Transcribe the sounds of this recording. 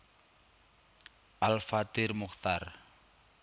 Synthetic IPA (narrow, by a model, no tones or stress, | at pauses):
alfat̪irmʊχt̪ara